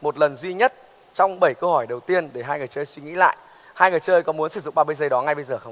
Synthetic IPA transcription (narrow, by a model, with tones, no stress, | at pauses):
mo˨˩t̚lə˨˩nzwi˧ɲə˦˥t̚ | t͡ɕɔ˧wŋ͡mɓə˧˩jkə˧whɔ˧˩jɗə˨˩wt̪i˧ənɗe˧˩ɦaː˧jŋɨ˨˩jt͡ɕəː˧jswi˧ŋḭ˧˥la̰ː˧˨j | haː˧jŋɨ˨˩jt͡ɕəː˧jkɔ˨˦mu˨˦ənsɨ˧˩zʊ̰˧˨ŋ͡mɓaː˧ɓə˧˦jzəː˧˩jɗɔ˨˦ŋa˧jɓə˧jzəː˨˩xə˧w